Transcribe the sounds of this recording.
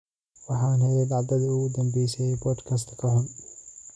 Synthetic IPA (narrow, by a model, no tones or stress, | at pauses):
wɑħanhɛjɐd̪ʕɑd̪ɐd̪ʊɡʊd̪ɐmbɛjsɐjɛbɔːd̪kʰɐs̬t̪ʰkʰɐɦʊn